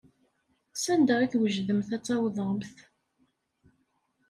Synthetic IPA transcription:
sænd̪æʁiθwəʒðəmθæt͡sːɑwðˤəmθ

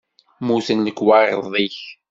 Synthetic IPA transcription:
muθənləkːwɑɾðˤiç

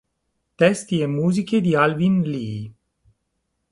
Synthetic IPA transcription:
t̪ɛst̪jemuzikʲed̪ialvinli

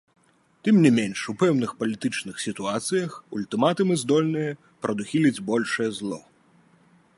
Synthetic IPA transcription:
t̪ɨmnʲɛmʲenʂupɛwn̪ɨxpɐlʲit̪ɨt͡ʂnɨxsʲit̪uat̪sɨjɐxulʲt̪ɨmat̪ɨmɨzd̪ɔlʲnɨjɐ | pɾɐd̪uxʲilʲid͡zʲbɔlʲʂɐjɛzlˠɔ̰

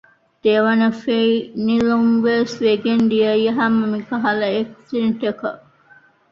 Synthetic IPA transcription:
d̪̥eʋɐnɐfeinilomʋesʋeɡend̪iɐieɦɐmːɐmikɐɦɐlɐeksinʈekɐ̰

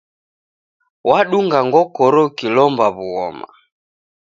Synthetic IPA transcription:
waɗuŋɡaŋɡɔkɔɾɔkilɔmbaβuɣɔ̰ma̰

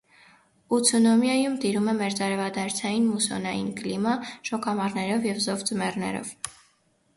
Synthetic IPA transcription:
ut͡sʰɔnɔmjɑjumt̪iɾumɛmɛɾt͡sɑɾɛvɑd̪ɑɾt͡sʰɑjinmusɔ̰nɑjinklimɑʃɔkɑmɑɾnɛɾɔvjɛvzɔvt͡səmɛrnɛ̰ɾɔ̰v

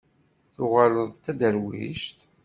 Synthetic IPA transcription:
θʊʁaləðˤt͡sːæd̪əɾwḭʃt̪

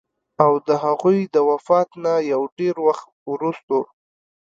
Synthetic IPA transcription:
awd̪əɦaɣujd̪əwafɑt̪najawɖeɾwaxt̪wɾust̪o

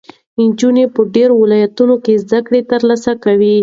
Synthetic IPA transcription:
ɪnd͡ʒunepəɖeɾowɪlɑjat̪unokezd̪akɽet̪əɾlasakawi

